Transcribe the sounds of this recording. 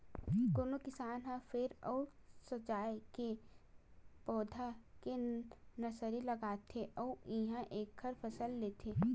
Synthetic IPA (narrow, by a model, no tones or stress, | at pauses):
ɡ̪oːnokɪsaːnɦãfʰɪɾɔːsɐt͡ʃaːjke | pɔːd̪ʱakenɐsəɾilɐɡaːt̪ʰeʔɔːɪɦãʔeːkʰːəɾpʰɐsəlːeːt̪ʰeː